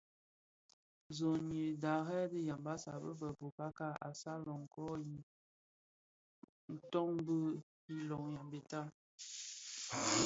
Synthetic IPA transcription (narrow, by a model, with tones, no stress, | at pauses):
zɔ˨ɲi˨da˨ɣɛ˦də˦ja˨mba˦sa˨bə̰˦bə˨bo˨ka˦ka˦a̰˨sa˦lɔ˨ŋ˨kɔ˦ji˨ | n̩˨tɔ˦ŋ˦bə˦ | i˦lɔ˨ŋja˨mbe˨ta˦